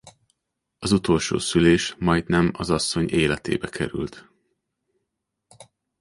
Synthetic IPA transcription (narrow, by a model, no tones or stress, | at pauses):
ɒzut̪o̞lʃo̰ːsyleːʃmɒjd̪nɛmɒzɒsːo̞ɲeːlɛt̪ḛːbɛkʰɛ̰ɾy̰lt̪